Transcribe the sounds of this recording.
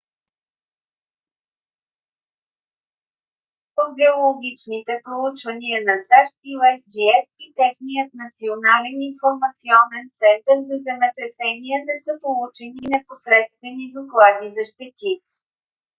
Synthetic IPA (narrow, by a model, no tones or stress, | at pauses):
poɡɛolˠoɡ̟ʲit͡ʃnit̪ɛpɾolut͡ʃvəniənɐsaʃt̪iwɛsd͡ʒiɛsit̪ɛxnijət̪nɐt̪sionalɛninfoɾmɐt̪siɔnɛnt̪sɛnt̪əɾzɐzɛmɛt̪ɾɛsɛniənɛsɤpolˠut͡ʃɛninɛposɾɛt̪st̪vɛnid̪oklˠad̪izɐʃt̪ɛt̪ʲi